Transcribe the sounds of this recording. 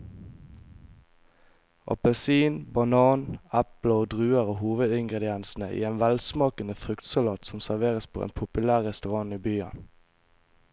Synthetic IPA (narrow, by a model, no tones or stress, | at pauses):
ʔɑ̰pəsiːnbɑnɑːnæploːd̪ʁʉːəʁoːhuːʋəd̪ɪŋɡʁɛd̪ɪɛnsn̩əʔḭːeːnʋælsmɑːkənəfʁʉkt̪sɑlɑːt̪sɔmsæʁʋeːʁəspʰo̰ːḛːnpʰʊpʉlæːʁʁɛst̪ʉʁɑŋiːbyːɑ̰n